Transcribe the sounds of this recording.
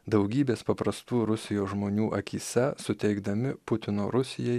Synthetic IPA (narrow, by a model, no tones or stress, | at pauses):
d̪ɐʊɡʲiːbʲeːspɐpɾɐst̪uːɾʊsʲɪjoːʒmoːnʲuːʔɐkʲiːsʲɛsʊt̪ʲɛɪɡd̪ɐmʲɪpʊt̪ʲɪnoːɾʊsʲɪjɛɪ